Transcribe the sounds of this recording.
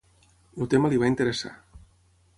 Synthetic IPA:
lut̪eməliβ̞aint̪əɾəsa̰

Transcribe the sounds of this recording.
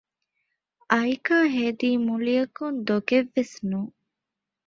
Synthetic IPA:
ɐjkaːɦed̪iːmulijɐkund̪oɡeʋːesnuː

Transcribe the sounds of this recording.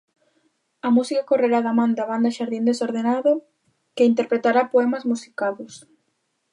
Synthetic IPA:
ɐmusikakoreɾaðamãnd̪aβ̞and̪ɐʃaɾðind̪esoɾðenaðo | keint̪eɾpɾet̪aɾapoɛmɐzmusi̥kaðʊs

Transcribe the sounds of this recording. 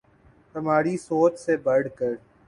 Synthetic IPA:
t̪əmaːɾisoːt͡ʃsebəɽkəɾ

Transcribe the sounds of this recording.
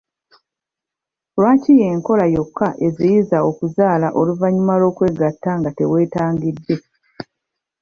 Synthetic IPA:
lwaːcije̞ːŋko̞lajo̞kʰːaʔe̞zijizao̞kuzaːlaʔoluvaɲimalo̞ːkwe̞ɡatːaŋɡate̞we̞ːtaːŋɡidːe̞

